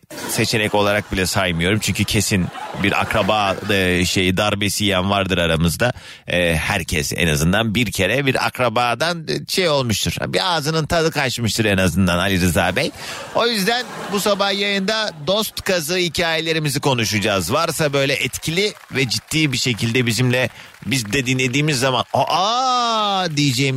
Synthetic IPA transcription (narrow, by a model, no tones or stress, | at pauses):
se̞t͡ʃʰe̞nɛco̞lˠaɾak̚bilʲɛsajmɯjo̞ɾumt͡ʃʰyɲcʰycʰe̞sinbiɾʔa̰kɾabaːʃe̞jid̪aɾbesijænvaɾd̪ɯɾaɾamɯzd̪a | ɛːhæɾcʰɛ̰sɛ̰na̰zɯnd̪anbiɾcʰe̞ɾɛbiɾa̰kɾabaːd̪anʃejo̞lˠmuʃt̪ʰuɾ̥̰biaːzɯnɯnt̪ʰad̪ɯkʰat͡ʃmɯʃt̪ʰɯɾenazɯnd̪analʲiɾɯzaːbɛj | o̞jyzd̪ænbusabahjajɯnd̪ad̪o̞st̪kʰazaɯicʰaːjelʲe̞ɾimiziko̞nuʃud͡ʒaːzvaɾsabø̞jlʲɛʔɛt̪cʰilʲivɛd͡ʒit̪ʰːiːbiʃe̞cʰilʲd̪ɛbizimlʲɛ | bizd̪ɛd̪inlʲe̞d̪iːmizːamanoʔa | d̪ijid͡ʒɛjim